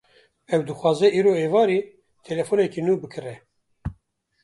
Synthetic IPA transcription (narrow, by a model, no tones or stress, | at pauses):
ɛwd̪ɨxwɑːzɛʔiːɾoːeːvɑːɾiː | t̪ʰɛlɛfoːnɛkinuːbɨkʰɨrɛ